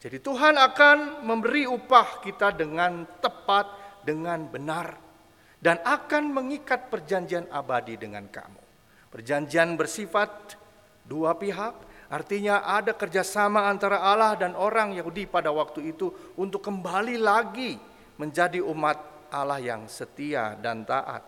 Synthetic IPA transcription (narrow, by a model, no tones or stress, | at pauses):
d͡ʒadit̪uɦanakanməmbəɾiupahkit̪adəŋant̪əpat̪̚dəŋanbənar | danakanməŋikat̪̚pərd͡ʒaɲd͡ʒianabadidəŋa̰nka̰mṵ | pərd͡ʒaɲd͡ʒianbərsifat̪̚ | duapiɦak̚ʔart̪iɲaʔadakərd͡ʒasamaːnt̪aɾaːlahdanoɾaŋjaɦudipadawak̚t̪uit̪uunt̪ʊkːəmbalilaɡi | məɲd͡ʒadiʔumat̪̚ | alahja̰ŋsət̪ia̰da̰nt̪a̰ʔa̰t̪̚